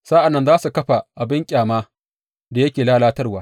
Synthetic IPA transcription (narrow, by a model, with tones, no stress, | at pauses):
sa˦ʔa˨nːɐ˦nzaː˦su˨kɐ˦ɸa˨ʔa˨bɪ˦ŋkʲʼaː˨maː˦ | da˨jɐ˦kʲeː˨laː˦laː˦tɐ˦rwaː˦